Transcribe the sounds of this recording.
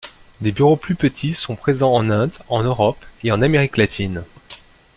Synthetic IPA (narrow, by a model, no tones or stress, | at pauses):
d̪ebyʁoplypət̪ʰisɔ̃pχezɑ̃ɑ̃nɛ̃d̪ɑ̃nøʁɔpeɑ̃nameʁiklat̪ʰin